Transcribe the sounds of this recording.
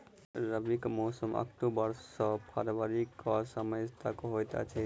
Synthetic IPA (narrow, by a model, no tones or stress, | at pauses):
ɾabikmowsoma̰k̚ʈobaɾsɔpʰaɾbaɾikɔaʃamaest̪ʰakoɦojt̪ea̰t͡ɕʰe